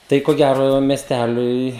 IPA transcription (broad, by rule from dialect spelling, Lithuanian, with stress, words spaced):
ˈtɐɪ koː ˈɡʲæroː mʲɛsʲˈtʲælʲʊɪ